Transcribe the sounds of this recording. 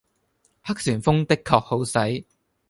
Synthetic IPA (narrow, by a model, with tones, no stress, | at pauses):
hɐ˥k̚syː˨˩nfʊ˥ŋt̪ɪ˥kʰːɔː˧k̚ho˨˥wsɐ˨˥j